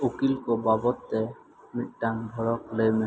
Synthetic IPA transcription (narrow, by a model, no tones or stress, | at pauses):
ukilkɔbabɔt̪ːɛ | mit̚ʈanbʱɔɾɔklejme